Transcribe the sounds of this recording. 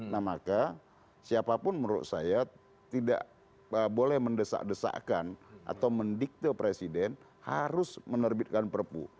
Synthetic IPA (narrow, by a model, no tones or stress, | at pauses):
nahmaka | siapapʊnməɾʊ̰t̪̚saja | t̪ida̰ʔ | bolɛhməndəsa̰ʔdəsa̰ʔkanʔa̰t̪awməndik̚t̪əpɾesidɛn | haɾʊsmənərbɪt̪̚kanpərpṵ